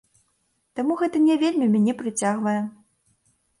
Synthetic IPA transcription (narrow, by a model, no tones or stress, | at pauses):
t̪amuɣɛt̪ɐnʲɛvʲelʲmʲimʲanʲɛpɾɨt͡sʲaɣvɐjɛ